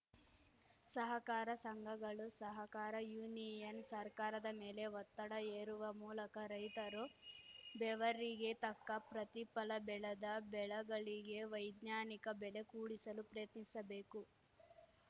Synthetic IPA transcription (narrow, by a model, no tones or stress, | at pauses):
sɐɦɐkaːɾɐsɐŋɡʱɐɡɐɭusɐɦɐkaːɾɐjuːnijɐnsɐɾkaːɾɐd̪ɐmeːle̞ʋɔt̪ːɐɽɐeːɾuʋɐmuːlɐkɐɾɐjt̪ɐɾo | bɛʋɐɾiɡe̞t̪ɐkːɐpɾɐt̪ipɐlɐbɛɭɐd̪ɐbɛɭɐɡɐɭiɡe̞ʋɐjd̪naːnikɐbɛle̞kuːɽisɐlupɾɐjɐt̪nisɐbe̞ːku